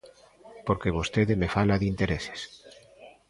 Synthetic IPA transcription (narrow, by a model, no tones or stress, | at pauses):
poɾkeβ̞ost̪eðemefalaðint̪eɾese̥s